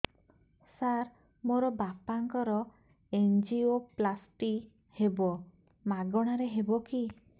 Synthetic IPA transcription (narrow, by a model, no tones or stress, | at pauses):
saɾ | moɾɔbapaŋkɔɾɔ | end͡ʒioplasʈi | hebɔ | maɡɔɽ̃aɾeɦebɔki